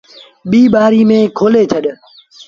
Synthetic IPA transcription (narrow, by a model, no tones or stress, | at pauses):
ɓiːɓaːɾiːmẽːkʰoːleːt͡ʃʰəɗ